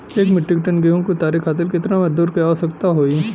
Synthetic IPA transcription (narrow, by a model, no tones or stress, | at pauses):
eːkmɪʈːɪk̚ʈənɡeːɦõkit̪aːɾikaːt̪̬ɪlkɪt̪namɐd͡ʒd̪uːɾkijaɦosɐkt̪aɦoːi